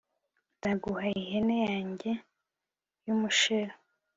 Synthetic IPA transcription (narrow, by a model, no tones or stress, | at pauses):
nzaɡuhaihenejaːɲɟe̞ | jumuʃeɾo